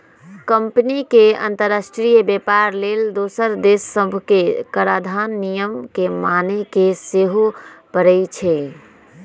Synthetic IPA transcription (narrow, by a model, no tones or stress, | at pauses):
kəmpnikeə̰̃nt̪əɾasʈɾijəbjepaɾleld̪osəɾd̪esəbʱkekəɾad̪ʱanːijəmkemanekeseɦopəɾɛjt͡ʃʰɛ